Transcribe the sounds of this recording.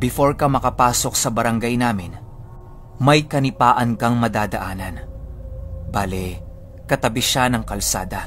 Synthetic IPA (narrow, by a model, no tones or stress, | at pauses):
bɪfo̞ɹkɐmɐkɐpaːso̞k̚sɐbɐɾɐŋɡajnaːmɪn | mɐjkɐnɪpaːʔɐnkɐŋmɐd̪aːd̪ɐʔaːnɐn | baːlɛ | kɐt̪ɐbɪʃanɐŋkɐlsa̰ːd̪ɐ